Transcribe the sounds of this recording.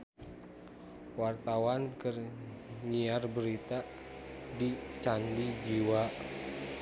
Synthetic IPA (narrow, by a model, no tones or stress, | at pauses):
wart̪awankər | ŋiarbəɾit̪a | dit͡ʃandid͡ʒiwa